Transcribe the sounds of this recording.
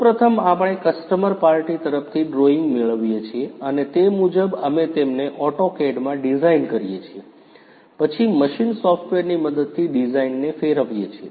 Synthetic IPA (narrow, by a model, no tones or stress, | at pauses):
upɾət̪ʰəmapəɽ̃ekəsʈəməɾpaɾʈit̪əɾəft̪ʰiɖɾoiŋɡmeɭəʋjet͡ʃʰieənet̪emud͡ʒəbəmet̪emneʔɔʈokeɖmãɖizainkəɾijet͡ʃʰie | pət͡ʃʰiməʃinsɔfʈʋeɾniməd̪əd̪̚t̪ʰːiɖizainːefeɾəʋjet͡ʃʰie